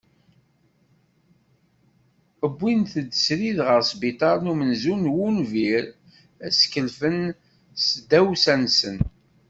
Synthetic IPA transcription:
əbːinθəd̪sɾiðʁəɾsbit̪ˤɑɾˤnumənzunwunviɾ | æskəlfən | sd̪ːæwsænsən

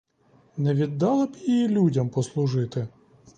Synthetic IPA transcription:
nɛʋʲid̪ːɑlˠɪbjijilʲudʲɐmpɔslˠʊʒɪt̪ɪ

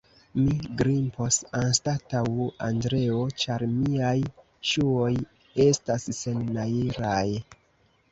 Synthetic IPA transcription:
miɡɾimpo̞sanstatawandɾe̞o̞t͡ʃaɾmiaj | ʃuo̞j | e̞stasːe̞nːaiɾaj

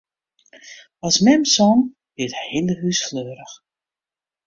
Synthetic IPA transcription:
ɔsmɛmsɔn | bɪthɪnləɦysfløːɾəx

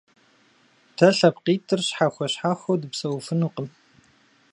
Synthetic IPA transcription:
tʰɐɬɐpqiːtʰɨrɕħaxʷɔɕħaːxʷodɨpsɐwfɨnuːqəm

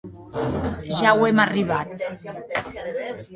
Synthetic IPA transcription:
ʒawemariβat̪

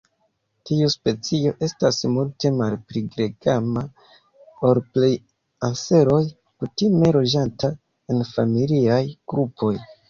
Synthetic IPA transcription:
tiuspe̞t͡sio̞ʔe̞stasmulte̞malpɾiɡɾeɡama | oɾplej | ase̞ɾo̞j | kutime̞lo̞d͡ʒanta | e̞nfamiliajɡ̥ɾupʰo̞j

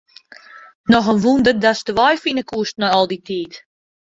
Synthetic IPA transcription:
nɔxənʋundərdasdəʋɔjfinəkuəstnɔɔlˠditʰiːt

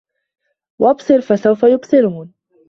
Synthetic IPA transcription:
wʔɑbsˤɨɾfasawfajʊbsˤɨɾuːn

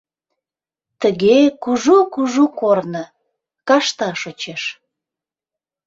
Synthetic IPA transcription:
t̪əɣekuʒokuʒokornə | kɑʃt̪ɑʃot͡ɕeʃ

